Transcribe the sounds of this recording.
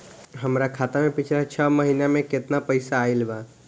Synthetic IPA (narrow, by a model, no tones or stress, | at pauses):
ɦəmɾakʰaːt̪amẽpɪt͡ʃʰlat͡ʃʰəməɦiːnamẽkɪt̪napəɪsaːɪlbaː